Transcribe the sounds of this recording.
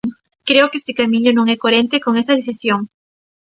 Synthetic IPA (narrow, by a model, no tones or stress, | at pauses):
kɾeokest̪ekamĩɲonoŋekoɾent̪ekoŋesaðeθisjoŋ